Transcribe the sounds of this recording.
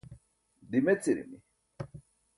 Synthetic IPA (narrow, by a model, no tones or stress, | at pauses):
dimɛt͡siɾḭmi